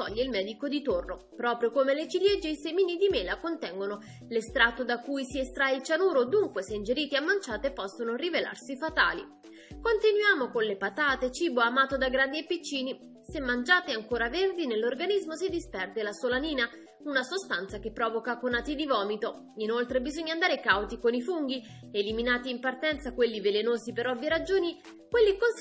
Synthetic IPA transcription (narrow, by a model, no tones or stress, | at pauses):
t̪ɔ̰ʎːeilmɛːd̪ikod̪it̪orno | pɾɔːpɾjokomelet͡ʃiljed͡ʒːeisemiːnid̪imeːlakont̪ɛŋɡono | lest̪ɾat̪ːod̪akːujsiest̪ɾailt͡ʃanuːɾod̪uŋkweseind͡ʒeɾiːt̪iamːant͡ʃaːt̪epɔsːonorivela̰rsifat̪a̰ːlḭ | kont̪inwjaːmokonlepat̪aːt̪et͡ʃiːboamaːt̪od̪aɡɾand̪iepːit͡ʃːiːni | semːand͡ʒaːt̪eaŋkoːɾaverd̪inelːorɡanizmosid̪ispɛrd̪elasolaniːna | unasost̪ant̪sakepːɾɔːvokakonaːt̪id̪ivɔːmit̪o | inolt̪ɾebizoɲːand̪aːɾekawt̪ikonifuŋɡi | eliminaːt̪iːmpart̪ɛnt̪sakwelːivelenoːzipeɾɔvːjeɾad͡ʒoːni | kwelːikon